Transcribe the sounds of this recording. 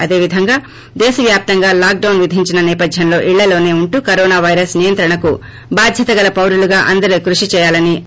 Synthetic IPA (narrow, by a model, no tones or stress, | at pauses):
ɐd̪e̞ːʋid̪ʱɐŋɡaː | d̪eːsɐʋjaːp̚t̪ɐŋɡaːlaːk̚ɖɐwnʋid̪ʱiɲt͡ʃinɐnɛːpɐd̪ʱjɐnlo̞ːʔiɭːɐlo̞ːne̞ːuɳʈukɐɾoːnaːʋɐjɾɐsnijɐnt̪ɾɐɳɐku | baːd̪ʱjɐt̪ɐɡɐlɐpɐwɾuluɡaːʔɐnd̪ɐɾukɾuʂit͡ʃɛːjaːlɐni